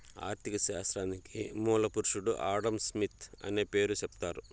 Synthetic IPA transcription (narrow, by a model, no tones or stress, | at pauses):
a̰ːɾt̪ikɐsaːsɾaːnikimuːlɐpuɾuʂuɽuʔaːɽɐmsmit̪ʰɐ̰neːpe̞ːɾut͡ʃept̪aːɾu